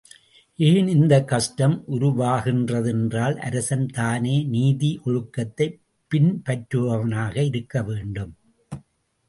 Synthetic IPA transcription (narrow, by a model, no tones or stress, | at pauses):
ʔeːnɪnd̪ɐkːɐʂʈɐmʔʊɾʊʋaːɣɪndrɐðɛndraːlʔɐ̰ɾɐsɐnt̪aːneːniːðiʔɔɻɯkːɐt̪ːɐɪ | pːɪnpɐʈɾɯʋɐʋɐnaːɣɐɪɾɯkːɐʋeːɳɖɯm